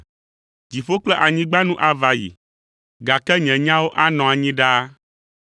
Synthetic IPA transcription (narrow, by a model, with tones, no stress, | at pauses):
d͡ʑi˨ɸo˦k͡plɛ˦ʔa˨ɲĩ˦ɡ͡ba˦nũ˦ʔa˨va˨jḭ˨ | ɡa˨kɛ˦ɲɛ̃˨ɲã˦wo˦ʔa˦nɔ̃˨a˨ɲĩ˦ɖa˦